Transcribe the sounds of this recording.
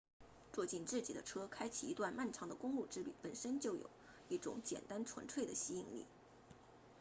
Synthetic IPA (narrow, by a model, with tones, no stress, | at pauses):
t͡swɔ˥˧t͡ɕi˥˧nt͡sɹ̩˥˩t͡ɕi˨˩d̪ə˦ʈ͡ʂʰɤ˥kʰa˥ɪt͡ɕʰi˨˩˨i˧˥t̪wa˥˧nma˥˩nʈ͡ʂʰɑ˧˥ŋd̪ə˧kʊ˥ŋlu˥˩ʈ͡ʂɻ̩˥ly̰˨˩pə˨˩nʂə˥nt͡ɕjo˥˩ʊjo̰˨˩˦ʊ | i˥˩ʈ͡ʂʊ̰˧˩˦ŋt͡ɕjɛ̰˨˩nt̪a˥nʈ͡ʂʰwə̰˧˥nʈ͡ʂʰwe˥˩ɪd̪ə˩ɕi˥i˥˧ŋlḭ˥˩